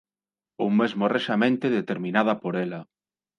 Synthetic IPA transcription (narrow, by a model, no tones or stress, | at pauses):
uwmezmoreʃamẽnt̪eðet̪eɾmĩnað̞ɐpoɾelɐ